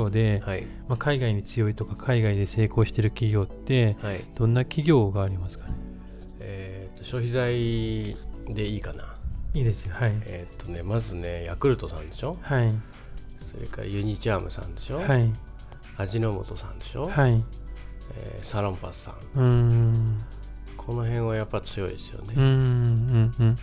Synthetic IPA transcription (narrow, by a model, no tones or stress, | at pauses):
oːd̪e̞hai | makʰaiɡaiɲ̟it͡sɨjo̞it̪o̞kakʰaiɡaid̪e̞se̞ːko̞ːɕi̥t̪e̞ɾɯ̟kʲiɡʲo̞ːt̪ːe̞haid̪̥õ̞nːakʲiɡʲo̞ːɡaːɾʲimasɨ̥kḁne | e | t̪ːo̞ɕo̞ːçizai | d̪e̞iːkanaiːd̪e̞sɨjohaiet̪ːo̞ne̞mazɨne̞jakɯ̟ɾɯ̟t̪o̞sã̰nd̪e̞ɕo̞hai | so̞̰ɾe̞̰ka̰ɾa̰jɯ̟ɲ̟it͡ɕiamɯ̟sã̰nd̪e̞ɕo̞hai | aʑino̞mo̞t̪o̞sã̰nd̪e̞ɕo̞hai | ḛsaɾõ̞mpa̰sɨ̥sã̰ŋɯ̃ | kʰo̞no̞ɦẽ̞ɰ̃βajapːat͡sɨjo̞id̪e̞sɨ̥jo̞̰neɯ̃ɯ̃ɯ̟̃